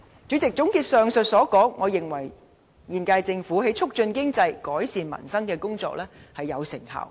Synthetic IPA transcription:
t͡ʃyː˨˧˥t͡sɪ˨k̚t͡sʊ˨˥ŋkiː˧t̚sœː˨ŋsɵ˨t̚sɔː˨˥kɔː˨˥ŋːɔː˨˧jɪ˨ŋwɐ˨˩j | jiː˨nkaː˧jt͡sɪ˧ŋfuː˨˥he˨˥jt͡sʰʊ˥k̚t͡ʃɵ˧nkɪ˥ŋt͡sɐ˧jkɔː˨˥jsiː˨˧nmɐ̰˨˩nsɐ˥ŋkɛː˧kʊ˥ŋt͡sɔ̰ː˧k̚lɛː˥hɐ˨jːɐ˨˧wsɪ̰˨˩ŋhɐ̰ː˨˩w

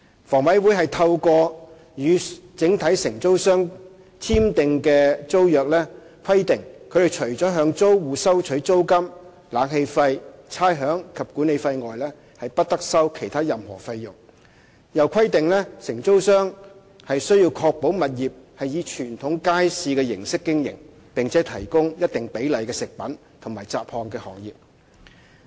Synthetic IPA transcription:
fɔː˨˩ŋwɐ˨˥jwuː˨˥jɦɐ˨jt̪ʰɐ˧wkɔː˧ | jyː˨˧t͡sɪ˨˥ŋt̪ʰɐ˨˥jsɪ˨˩ŋt͡so˥wsœː˥ŋ | t̪ʰiː˥mt̪ɪ˨ŋkɛː˧t͡so˥wjœː˨k̚lɛː˥ | kʰɐ˥jt̪ɪ˨˩ŋkʰɵ˨˧ɥt̪e˨˩t͡ʃʰɵ˨˩ɥt͡sɔː˨˥ɦœː˨˧ŋt͡so˥wwuː˨sɐ˥wt͡ʃʰɵ˨˥t͡so˥wkɐ˥m | laː˨˧ŋhe˧jfɐ˧jt͡sʰaː˥jɦœː˨˥ŋkʰɐ˨p̚kuː˨˥ne˨˧jfɐ˧jŋɔː˨jlɛː˥ | hɐ˨jpɐ˥t̚t̪ɐ˥k̚sɐ˥wkʰe˨˩jt̪ʰaː˥jɐ˨mhɔ̰ː˨˩fɐ˧jjʊ˨˩ŋ | jɐ˨˩wkʷʰɐ˥jt̪ɪ˨ŋlɛ˥sɪ˨˩ŋt͡so˥wsœː˥ŋ | hɐ˨jsɵ˥ɥjiː˧wkʰɔː˧k̚po˨˥wmɐ˨t̚jiː˨p̚hɐ˨jiː˨˧t͡ʃʰyː˨˩nt̪ʰʊ˨˥ŋkaː˥jsiː˧kɛː˧jɪ̰˨˩ŋsɪ˥kːɪ˥ŋjɪ̰˨˩ŋ | pɪ˨ŋt͡sʰɛː˨˥t̪ʰɐ˨˩jkʊ˥ŋjɐ˥t̚t̪ɪ˨˩ŋpe˨˥jlɐ˨˩jkɛː˧sɪ˨k̚pɐ˨˥n | t̪ʰʊ˨˩ŋmaː˨˩jt͡sa̰ː˨p̚hɔː˨ŋkɛː˧hɔ̰ː˨˩ŋjiː˨p̚

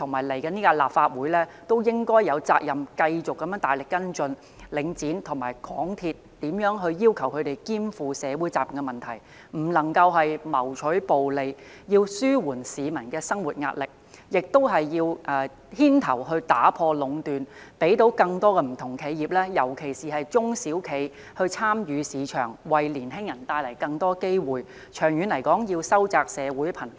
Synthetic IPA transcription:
t̪ʰʊ˨˩ŋmaː˨˩jle˨˩jkɐ˨˧niː˥kaː˧laː˨p̚faː˧t̚wuː˨˥jlɛː˥t̪o˥wjɪ˥ŋkɔː˥jːɐ˨˧wt͡sa̰ː˧k̚jɐ˨mkɐ˧jt͡sʊ˨kːɐ˨˦mjœː˨˥ŋt̪aː˨jlɪ˨kːɐ˥nt͡sɵ˧n | lɪ˨˧ŋt͡siː˨˥nt̪ʰʊ˨˩ŋmaː˨˩jkʰɔː˨˥ŋt̪ʰiː˧t̪ | t̪iː˨˥mjœː˨˥ŋɦɵ˧ɥjiː˥wkʰɐ˨˩wkʰɵ˨˧t̪e˨jkiː˥mfuː˨˧sɛː˨˧wuː˨˥jt͡saː˨˩p̚jɐ˨˩ŋɡɛ˧mɐ˨nt̪ʰɐ˨˩j | m̩˨˩lɐ˨˩ŋkɐ˧wɦɐ˨jmɐ˨˩wt͡ʃʰɵ˨˥ɥpo˨wle˨˧j | jiː˧wsyː˥wuː˨˩nsiː˨˧mɐ˨˩nkɛː˧sɐ˥ŋwu˨t̚ŋa̰ː˧t̚lɪ˨k̚jɪ˨k̚t̪o˥wɦɐ˨jːiː˧wʔɛ˨˧ | hiː˥nt̪ʰɐ˨˩wɦɵ˧ɥt̪aː˨˥pʰɔː˧lʊ˨˧ŋt̪yː˨npe˨˥jt̪o˨˥wkɐ˧ŋt̪ɔː˥kɛː˧m̩˨˩t̪ʰʊ˨˩ŋkʰe˨˧jjiː˨p̚lɛː˥jɐ˨˩wkʰe˨˩jsiː˨hɐ˨jt͡ʃʊ˥ŋsiː˨˥wkʰe˨˧j | hɵ˧ɥt͡sʰaː˥mjyː˨˧siː˨˧t͡ʃʰœː˨˩ŋwɐ˨jliː˨˩nɦɪ˥ŋjɐ˨˩nt̪aː˧jlɐ˨˩jkɐ˧ŋt̪ɔː˥ke˥jwuː˨˩j | t͡ʃʰœː˨˩ŋjyː˨˧nlɐ˨˩jkɔː˨˥ŋjiː˧wsɐ˥wt͡saː˧k̚sɛː˨˧wuː˨˥jpʰɐ˨˩n

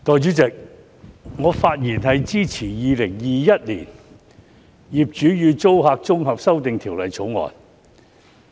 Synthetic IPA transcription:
t̪ɔː˨˧jt͡ʃy˨˥t͡sɪ˨k̚ | ŋɔː˨˧faː˧t̚jiː˨˩nɦɐ˨jt͡siː˥t͡sʰiː˨˩jiː˨˧lɪ˨˩ŋjiː˨jɐ˥t̚liː˨˩n | jiː˨p̚t͡ʃyː˨˥jyː˨˧t͡so˥wɦaː˧k̚t͡sʊ˥ŋɦɐ˨p̚sɐ˥wt̪ɪ˨ŋt̪ʰiː˨˩wlɐ˨jt͡sʰo˨˥wŋɔ̰ː˨˩n

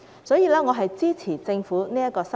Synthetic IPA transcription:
sɔː˨˥jiː˨˧laː˥ŋɔ˨˧ɦɐ˨jt͡siː˥t͡sʰiː˨˩t͡sɪ˧ŋfuː˨˥niː˥jɐ˥t̚kɔː˧sɐ˥

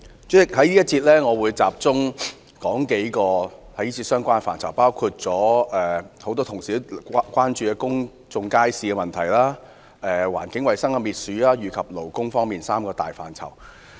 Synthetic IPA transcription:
t͡sɛː˥˩hɐ˨˥jiː˥jɐ˥t̚t͡sʰiː˧t̚lɛː˥ŋɔː˨˧wuː˨˧jt͡sa̰ː˧p̚t͡sʊ˥ŋ | kɔː˨˥ŋke˨˥jkɔː˧hɐ˨˥jiː˥t͡sʰi˧t̚sœː˥ŋkʷaː˥n˧fa̰ː˨nt͡sʰɐ˨˩wpaː˥wkʰu˧t̚t͡sɔː˨˥ʔɛː˨ho˨˥wt̪ɔː˥t̪ʰʊ˨˩ŋsiː˨˥kʷaː˥nt͡ʃyː˨˧ɛ˧kʊ˥ŋ | t͡sʊ˧ŋkaː˥jsiː˨kɛ˧mɐ˨nt̪ʰɐ˨˩jlaː˥ | ɛː˨wa̰ː˨˩nkɪ˨˥ŋwɐ˨jsɐ˥ŋkɐ˧miː˨t̚syː˨˥aː˥jyː˨˩kʰɐ˨p̚lo˨˩wkʊ˥ŋfɔː˥ŋmiː˨nsaː˥mkɔː˧t̪a̰ː˨jfa̰ː˨˩nt͡sʰɐ̰˨˩w

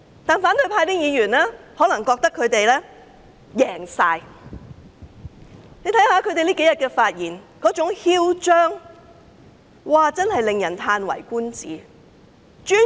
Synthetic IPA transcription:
t̪aː˨nfaː˨˥nt̪ɵ˧ɥpʰaː˧jt̪iː˥ŋjiː˨˧jyː˨˩nlaː˥hɔː˨˥lɐ˨˩ŋkɔː˧k̚t̪ɐ˥kʰːɵ˨˧ɥt̪e˨jlɛː˥ | jɛː˨˩ŋsaː˧j | ne˨˧t̪ʰɐ˧˥jhaː˨˥kʰɵ˨˧ɥt̪e˨jliː˥ke˨˥jɐ˨˩t̚kɛː˧faː˧t̚jiː˨˩nkɔː˨˥t͡ʃʊ˨˥ŋhiː˥wt͡ʃœː˥ŋ | waː˨t͡sɐ˥nhɐ˨jlɪ˨ŋjɐ˨˩nt̪ʰaː˧nwɐ̰˨˩jkuː˥nt͡siː˨˥ | t͡ʃyː˥

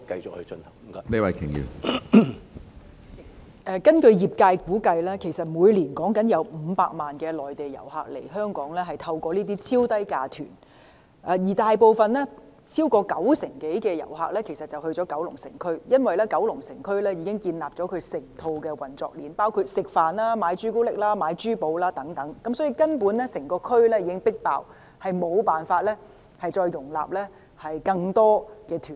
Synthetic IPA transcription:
kɐ˧jt͡sʊ˨k̚hɵ˧ɥt͡ʃɵ˧nhɐ˨˩ŋ˨˦ɐ˨ni˥wɐ˨˥jkʰɪ˨˩ŋjḭ˨w | ʔɛː˨˧kɐ˥nkɵ˧ɥjiː˨˩p̚kaː˧jkuː˨˥kɐ˧jlɛː˥kʰe˨˩jsɐ˨t̚muː˨˧jliː˨˩nkɔː˨˥ŋkɐ˨˥njɐ˨˧wm̩ː˨˧pa̰ː˧k̚maː˨˩nkɛː˧lɔː˨jt̪e˨˩jɐ̰˨˩wɦa̰ː˨k̚lḛ˨˩jɦœː˥ŋkɔː˨˥ŋlɛː˥ɦɐ˨˩jt̪ʰɐ˧wkɔː˧liː˥t̪iː˥t͡sʰiː˥wt̪ɐ˥jkaː˧t̪ʰy̰ː˨˩n | ʔɛː˨˧jiː˨˩t̪aː˨jpo˨˧wfɐ˨nɛː˥ | t͡sʰiː˥wkɔː˧kɐ˨˥wsɪ˨˩ŋke˨˥jkɛː˧jɐ̰˨˩wɦa̰ː˨k̚lɛː˥kʰe˨˩sɐ˨t̚t͡sɐ˨whɵ˧ɥt͡sɔː˨˧˥kɐ˨˥wlʊ˨˩ŋsɪ˨˩ŋkʰɵ˥ɥjɐ˥nwɐ˨jlɛː˥kɐ˨˥wlʊ˨˩ŋsɪ˨˩ŋkʰɵ˥ɥlɛː˥jiː˨˧kɪ˥ŋkiː˧nlaː˨p̚ɔ˨˥kʰɵ˨˧ɥsɪ˨˩ŋt̪ʰo˧wkɛː˧wɐ˨˩nt͡sɔ̰ː˨k̚liː˨npaː˥wkʰuː˧t̚sɪ˨k̚faː˨˩nlaː˥maː˨˧jt͡ʃyː˥ko˥lɪ˥k̚laː˥maː˨˧jt͡ʃyː˥po˧wlaː˥t̪ɐ˨˥ŋt̪ɐ˨˦ŋkɐ˨˦msɔː˨˥jiː˧kɐ˥npuː˨˥nlɛ˥sɪ˨˩ŋkɔː˧kʰɵ˥ɥlɛː˥jiː˨˧kɪ˥ŋpɪ˥k̚pa̰ː˨w | hɐ˨jmo˨˧wpaː˨nfaː˧t̚lɛː˥ | hɐ˨jt͡sɔː˧jːʊ˨˩ŋla̰ː˨p̚lɛː˥ | hɐ˨jkɐ˧ŋt̪ɔː˥kɛː˧t̪ʰyː˨˩n

